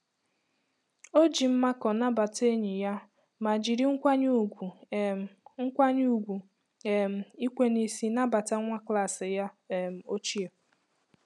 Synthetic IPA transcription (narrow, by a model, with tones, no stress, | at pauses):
o˦d͡ʒi˨m̩˦ma˦kɔ˨na˦ba˨te˦ɲi˨ja˦ | ma˨d͡ʒi˨ɾi˦ŋ̩˦kʷa˦ɲu˦˨ɡʷu˨ | ŋ̩˦kʷa˦ɲu˦u˨ɡʷu˨ | e˨m̩˨i˦kʷe˦ni˦si˦na˦ba˨ta˦ŋʷa˦kla˦˨sɪ˨ja˦˨m̩˨o˦t͡ʃi˦e˨